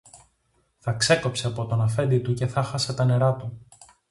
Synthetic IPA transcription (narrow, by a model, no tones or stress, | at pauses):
θɐkse̞ko̞pse̞ɐpo̞t̪o̞nɐfe̞nd̪it̪uce̞θɐxɐse̞t̪ɐne̞ɾɐt̪u